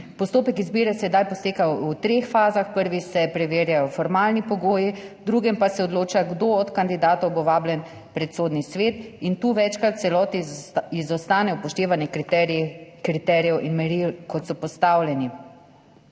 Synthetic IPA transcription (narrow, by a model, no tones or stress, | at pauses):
pɔst̪oːpɛkizbiːɾɛsɛd̪ajpɔst̪eːkaut̪ɾexfaːzaxpəɾʋisɛpɾɛʋeːɾjajɔfɔɾmaːlnipɔɡoːjid̪ɾuɡɛmpasɛɔd̪loːt͡ʃaɡd̪oɔt̪kand̪id̪aːt̪ɔwboʋaːbljɛn | pɾɛt̪soːd̪nisʋeːt̪int̪uːʋɛt͡ʃkɾat̪̚t̪sɛlɔːt̪iizɔst̪aːnɛɔpɔʃt̪eːʋanjɛ | kɾit̪ɛːɾjɛwʔinmɛɾilkɔt̪sɔpɔst̪awljɛni